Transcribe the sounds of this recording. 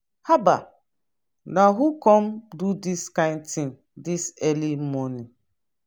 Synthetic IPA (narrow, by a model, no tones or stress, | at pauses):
haba̰ | naɦukɔ̃mdudiskãɪ̃ndtĩŋ | disɛlimɔni